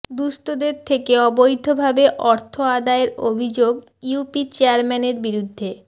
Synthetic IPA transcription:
d̪ust̪od̪eɾt̪ʰekeɔbojd̪ʱːobʱabeʔɔɾt̪ʰoad̪aeɾobʱid͡ʑoɡ | iupit͡ɕeaɾmɛneɾbiɾud̪ʱːe

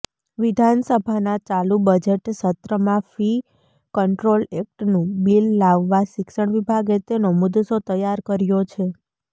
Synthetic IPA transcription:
ʋid̪ʱansəbʱanat͡ʃalubəd͡ʒeʈsət̪ɾəmãfi | kəɳʈɾolek̚ʈnũbilːaʋːaʃɪkʃəɳ̃ʋibʱaɡet̪enomud̪sot̪əjaɾkəɾjot͡ʃʰe

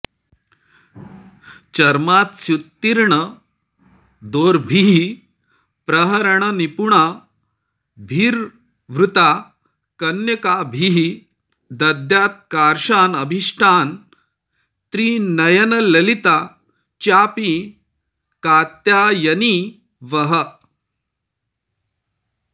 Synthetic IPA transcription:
t͡ɕɐɾmaːt̪sjut̪ːiɾɳə | d̪oːɾbʱiɦi | pɾɐɦɐɾəɳənipuɳa | bʱiːɾ | ʋɾut̪a | kɐnjɐkabʱiɦi | d̪ɐd̪jaːt̪̚kaːɾʂaːnɐbʱiʂʈʰaːn | t̪ɾiːnɐjɐnɐlɐlit̪a | t͡ʃjaːpi | kaːt̪jajɐni | ʋɐɦə

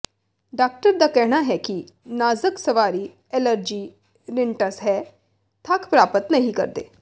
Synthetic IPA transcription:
ɖaːk̚ʈəɾd̪aːkɛːɦñaɦɛːki | naːzəksəʋaːɾiː | ɛləɾd͡ʒiː | ɾɪɳʈəsɦɛː | t̪ʰakpɾaːpət̪nəɦĩkə̰ɾd̪ḛː

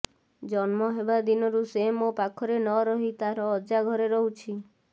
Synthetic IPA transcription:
d͡ʒɔnmɔɦebad̪inɔɾusemopakʰɔɾenɔɾɔɦit̪aɾɔːd͡ʒaɡʱɔɾeɾɔɦut͡ʃʰi

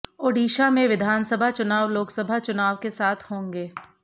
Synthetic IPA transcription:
oːɖiːʃamẽʋɪd̪ʱaːnsəbʱat͡ʃʊnaːʋloːksəbʱat͡ʃʊnaːʋkesaːt̪ʰhõːŋɡeː

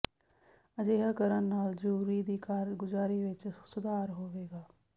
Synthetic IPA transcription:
əd͡ʒeːɦaːkəɾənnaːld͡ʒuɾiːd̪iːkaɾɡʊzaːɾiːʋɪt͡ʃsʊd̪ʱaːɾɦoːʋeːɡaː

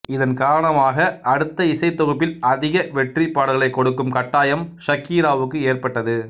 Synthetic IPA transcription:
ɪðɐnkaːɾɐɳɐmaːɣɐɐɽɯt̪ːɐɪsɐɪt̪ːɔɣɯpːɪlɐðɪɣɐʋɛʈripːaːɽɯɣɐɭɐɪkːɔɽɯkːɯmkɐʈːaːjɐmʃɐkːiːɾaːʋɯkːɯeːrpɐʈːɐðɯ

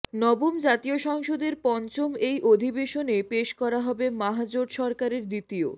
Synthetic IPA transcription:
nɔbomd͡ʑat̪ijoʃɔŋʃod̪eɾpɔnt͡ɕomejʔod̪ʱibeʃonepeʃkɔɾaɦɔbemaɦad͡ʑoɖʃɔɾkaɾeɾd̪it̪io̰

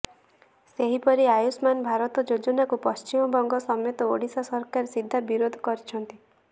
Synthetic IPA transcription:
seɦipɔɾiajusmanbʱaɾɔt̪ɔd͡ʒod͡ʒɔnakupɔst͡ʃimɔbɔŋɡɔsɔmjɔt̪ɔoɽisasɔɾkaɾesid̪ʱːabiɾod̪ʱɔkɔɾit͡ʃʰɔnt̪i

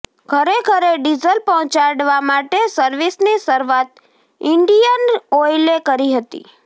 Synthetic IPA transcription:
kʰəɾekʰəɾeɖid͡ʒəlpɔɦɔ̃t͡ʃaɽʋamaʈesəɾʋisnisəɾʋat̪̚ | ɪɳɖijənoelekəɾiɦət̪ḭ

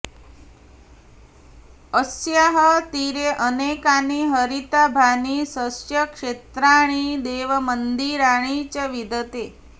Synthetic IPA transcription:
əsjaɦət̪iɾeʔənekaniɦəɾit̪abʱanisəsjəkʂet̪ɾaɽ̃id̪eʋəmənd̪iɾaɽ̃it͡ɕəʋid̪ət̪e

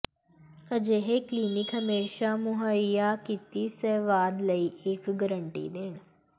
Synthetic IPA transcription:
əd͡ʒeɦekliːnɪkɦɐmeːʃamʊɦəjakɪt̪isɛːʋaːd̪ləiʔeːkɡəɾəɳʈḭd̪eːɽ̃

